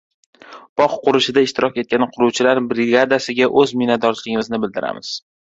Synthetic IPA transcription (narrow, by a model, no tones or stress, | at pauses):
b̥ɒqːʊɾɪʃɪd̪aɪʃt̪ɪɾʔɒkʲe̞t̪̚kʲanqʰʊɾuwt͡ʃʰɪlaɾbɾɪɡad̪asɪɡʲaʔɵzmɪnat̪̚d̪ɒɾt͡ʃʰɪlɪɡʲɪmɪznɪbɪld̪ɪɾa̰mɪz̥